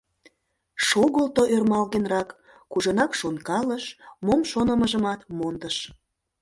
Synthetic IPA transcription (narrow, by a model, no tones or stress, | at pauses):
ʃoɣəlt̪oʔørmɑlɣenrɑkː | uʒonɑkʃonkɑləʃmomʃonəməʒəmɑt̪mond̪əʃ